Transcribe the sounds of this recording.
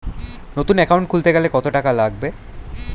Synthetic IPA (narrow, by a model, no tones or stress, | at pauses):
not̪unɛkawɳʈ̚kʰult̪eɡɛlekɔt̪oʈakalaɡ̚be